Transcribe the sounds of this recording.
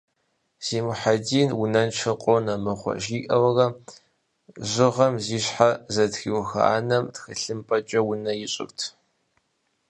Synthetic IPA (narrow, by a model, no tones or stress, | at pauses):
z̥iːmʊħadiːnwʊnɐnt͡ʃʰɐqʼonɐmɨχʷɔ̰ʒiːʔʼɐwɐrɐ | ʑɪʁɐmziːɕħazɐtxiwxɐ̰ʔa̰ːnɐmtxɨɬɨmpʼɐt͡ʃʼɐwʊnɐjɪɕʼɪ̰rtʰ